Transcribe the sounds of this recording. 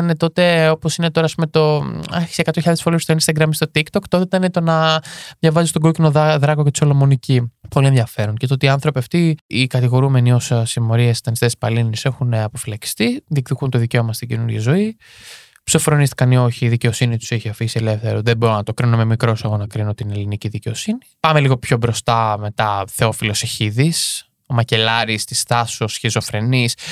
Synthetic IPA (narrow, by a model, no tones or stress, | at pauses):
ɐne̞t̪o̞t̪e̞o̞posine̞t̪o̞ɾɐːspumet̪o̞ɐçi̥sekɐt̪oçiʎɐðefolest̪oinst̪ɐɡɾɐmst̪o̞t̪ikt̪o̞kt̪oðit̪ɐnet̪o̞nɐðʝɐvɐzist̪o̞ɡocinoððɾɐɣocet̪i̥so̞lomo̞nicipo̞lie̞nðʝɐfe̞ɾonce̞t̪ot̪iːɐnθɾo̞piɐft̪iːkɐt̪iɣo̞ɾume̞nio̞ssimo̞ɾiɐsi̥t̪ɐnist̪espɐlinise̞xuneɐpo̞filɐki̥st̪iðikt̪ikunt̪o̞ðice̞o̞mɐst̪iɟinuɾʝɐzo̞i | psofɾo̞nist̪i̥kɐnio̞çiːðice̞o̞sinit̪u̥seçiɐfisie̞le̞fθe̞ɾoðebo̞ɾonɐt̪o̞kɾinomemikɾo̞sɐɣo̞nɐkɾinot̪ine̞liniciðice̞osinipɐmeliɣo̞pço̞bɾo̞st̪ɐme̞t̪ɐθe̞o̞filo̞seçiðis | omɐce̞lɐɾist̪ist̪ɐsosçizo̞fɾe̞nis